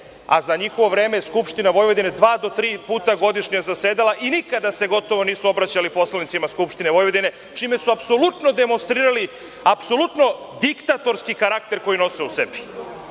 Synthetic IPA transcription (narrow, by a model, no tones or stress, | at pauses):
a̰zaɲixo̞ʋo̞ʋɾeːmejeskupʃt̪inaʋo̞jʋo̞d̪ined̪ʋaːd̪o̞t̪ɾiːpuːt̪aɡo̞d̪iʃɲazaseːd̪alaʔinikad̪ase̞ɡo̞t̪o̞ʋo̞niːsuo̞bɾat͡ɕalipo̞slˠanit̪simaskupʃt̪ineʋo̞jʋod̪ine̞ | t͡ʃiːme̞suapso̞lˠut̪no̞d̪emonst̪ɾiːɾali | apso̞lˠut̪no̞ | d̪ikt̪at̪o̞ɾskikaɾakt̪e̞ɾko̞jino̞seusebi̥